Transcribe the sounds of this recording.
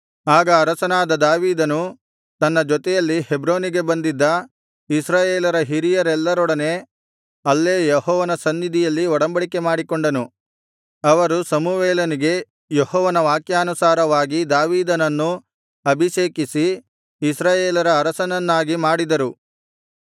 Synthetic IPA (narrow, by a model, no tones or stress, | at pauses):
aːɡɐːɾɐsɐnaːd̪ɐd̪aːʋiːd̪ɐnu | t̪ɐnːɐd͡ʒɔt̪ɛjɐlːihebɾoːniɡe̞bɐnd̪id̪ːɐ | isɾaːjeːlɐɾɐɦiɾijɐɾɛlːɐɾɔɽɐne̞ | ɐlːe̞ːjeɦɔːʋɐnɐsɐnd̪id̪ʱijɐlːiɔɽɐmbɐɽike̞maːɽikoɳɖɐnu | ɐʋɐɾusɐmuʋɛːlɐniɡe̞ | jehɔːʋɐnɐʋaːkjaːnusaːɾɐʋaːɡid̪aːʋiːd̪ɐnɐnːu | ɐbʱiʃeːkisiː | sɾaːjeːlɐɾɐːɾɐsɐnɐnːaːɡimaːɽid̪ɐɾu